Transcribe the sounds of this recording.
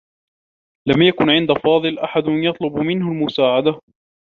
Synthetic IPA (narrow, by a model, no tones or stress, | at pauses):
lamjakʊnʕɪnd̪afɑːðˤɨlʔaħad̪jɑt̪ˤlʊbmɪnhalmʊsaːʕad̪a